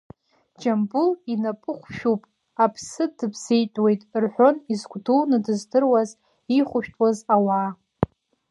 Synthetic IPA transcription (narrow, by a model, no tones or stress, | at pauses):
d͡ʒambulinapʼɨχʷʃᶣupʼ | apʰsɨdɨbʰz̥ejtʼwe̞jtʼrħʷᶣo̞nizɡʷdulnɨdɨzdɨrwaz | iχʷʊʃᶣtʼwazawaː